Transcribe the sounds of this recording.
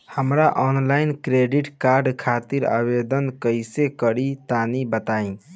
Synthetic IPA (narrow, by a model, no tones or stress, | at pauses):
həmɾaʔɔnlainkɾeɖiʈkaɾɖkʰat̪iɾa̰bed̪ənkəjsekəɾit̪anibət̪aĩ